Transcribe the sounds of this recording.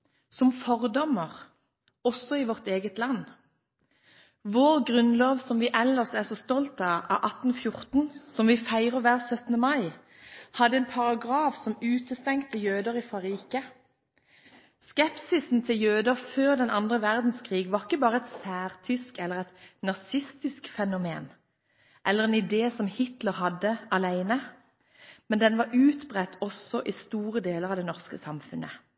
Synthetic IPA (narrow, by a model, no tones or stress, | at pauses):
sɔmfɔʁd̪ɔmːəʁ | ɔsːɔiʋɔʁt̪eːɡət̪lɑnː | ʋoːʁɡʁʉnloːʋsɔmʋiːʔɛlːəʁsæʁsɔːst̪ɔlt̪ɑɑ̰ʔɑt̪n̩fjʊʁt̪n̩sɔmʋiːfæɪʁəʋæːʁsœt̪n̩əmɑɪ | hɑd̪ːəɛːnpʰɑʁɑɡʁɑːfsɔmʉːt̪əst̪ɛŋk̚t̪ʰːəjøːd̪əʁifɑɾiːkə | skɛpsɪsn̩t̪ʰɪljøːd̪əføːʁd̪ɛnɑnd̪ʁəʋæʁd̪n̩skʰʁiːɡʋɑʁɪkːəbɑːʁəɛt̪sæːʁt̪ʰʏskɛlːəʁɛt̪nɑsɪst̪ɪskfɛnʊmḛːn | ʔɛlːəʁɛnɪd̪eːsɔmhɪt̪ləʁhɑd̪ːəʔɑlæɪnə | mɛnd̪ɛnʋɑʁʉːt̪bʁɛt̪ːɔsɔʔiːst̪uːʁəd̪eːləʁɑʋd̪ɛnɔʁskəsɑmfʉnʔə̰